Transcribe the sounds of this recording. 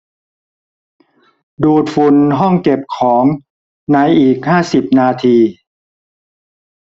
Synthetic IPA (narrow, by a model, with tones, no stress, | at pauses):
duː˨˩t̪̚fu˨˩nɦɔ˥˩ŋke˨˩p̚kʰɔː˩˦ŋ | na˧jʔiː˨˩k̚haː˥˩si˨˩p̚naː˧t̪ʰiː˧